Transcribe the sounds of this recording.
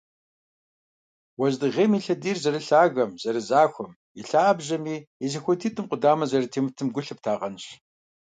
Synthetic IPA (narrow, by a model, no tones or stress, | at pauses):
wɐʑdɨʁeːmiːɬɐdiːrzɐrɨɬaːɣɐmz̥ɐɾɨzaːxʷɔm | iɬaːbʑɐmiːɛzɐxʷɔtʰiːtʼɨmqʷʊdaːmɐzɐrɨtʰeːmɨtʰɨmɡʷʊɬɨp̚tʰaːʁɐnɨɕ